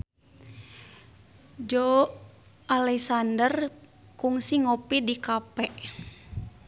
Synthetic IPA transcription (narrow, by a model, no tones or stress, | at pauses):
d͡ʒo | alɛsandərkuŋsiŋopidikapɛʔ